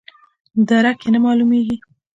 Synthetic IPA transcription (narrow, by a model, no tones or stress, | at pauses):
d̪aɾakenamɑlumeɡi